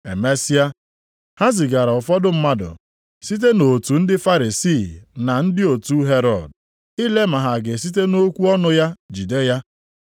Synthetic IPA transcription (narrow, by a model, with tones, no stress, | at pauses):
e˨me˦si˦a˦ | ha˦zi˨ɡa˨ɾa˨ʊ˨fɔ˦dʊ˦m̩˦ma˦dʊ̰˨ | si˦t̬e˦no˨tu˨n̩˦dɪ˦fa˦ɾi˨si˦˨na˨n̩˦dɪ˦o˨tu˦ɦe˦ɾɔ˨d̚ | i˦le˦ma˨ɦa˨ɡɪ˨s̬i˦t̬e˦no˦kʷu˦ɔ˦nʊ˦ja˦d͡ʒi˨de˦ja˦